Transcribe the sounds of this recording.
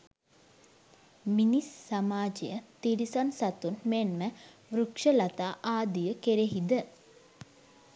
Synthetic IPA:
minisːamaːd͡ʒejət̪iɾisansat̪unmenmə | ʋɾukʂəlat̪aːʔaːd̪ijəkeɾeɦid̪ə

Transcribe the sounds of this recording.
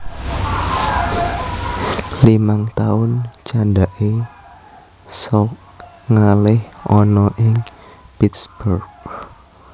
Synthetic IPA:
limaŋt̪aʊnt͡ʃanɖaʔe | sɔk | ŋalɪhʔɔnɔʔɪŋ | pit̪sb̥urɡ

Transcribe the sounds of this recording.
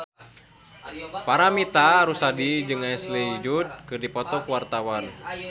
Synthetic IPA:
paɾamit̪aɾusadid͡ʒɨŋaɛsliid͡ʒud̪̚kɨrdipɔt̪ɔkuwart̪awan

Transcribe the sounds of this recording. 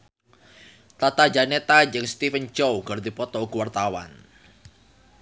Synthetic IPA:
t̪at̪ad͡ʒanet̪ad͡ʒəŋst̪ifənt͡ʃowɡ̥ɔɾd̪ipɔt̪ɔuɡuwart̪awa̰n

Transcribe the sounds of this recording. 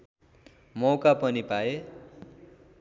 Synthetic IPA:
mʌwkapʌnipae

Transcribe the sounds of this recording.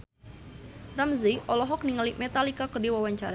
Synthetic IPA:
ramziʔɔlɔɦɔk̚niŋalimet̪alikakədiwawaɲt͡ʃaɾa

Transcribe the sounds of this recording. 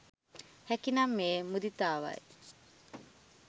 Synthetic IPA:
hɛkinɐmːeːmud̪it̪aːʋa̰ḛ

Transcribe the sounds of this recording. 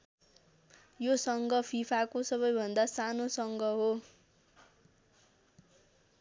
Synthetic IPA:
josʌŋɡʌpʰipʰakosʌβʌjbʱʌnd̪asanosʌŋɡʌɦo

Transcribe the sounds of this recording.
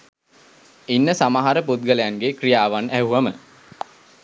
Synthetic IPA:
inːəsamaɦaɾəpud̪̚ɡəlejanɡekrijaːʋanæɦuəmə

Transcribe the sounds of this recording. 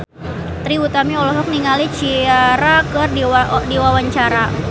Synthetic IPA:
t̪ɾibut̪amiɔlɔɦɔk̚niŋalit͡ʃiaɾakərdidiwawaɲt͡ʃaɾa

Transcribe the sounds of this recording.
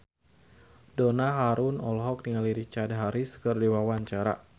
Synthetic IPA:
donaɦaɾʊnɔlɔɦɔk̚niŋaliɾit͡ʃadaɦaɾisə̥kərdiwawaɲt͡ʃaɾa̰

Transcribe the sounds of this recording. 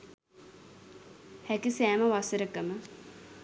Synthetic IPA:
hækisæːməʋasəɾəkəmə

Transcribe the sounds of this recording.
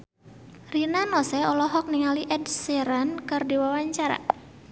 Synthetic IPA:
rinanɔsɛɔlɔɦɔk̚niŋaliʔɛdseɾankɨrdiwawaɲt͡ʃaɾa̰

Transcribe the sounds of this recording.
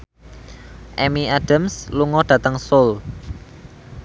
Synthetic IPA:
ʔɛmiaɖ̥amsluŋɔɖ̥ä̤t̪əŋsol

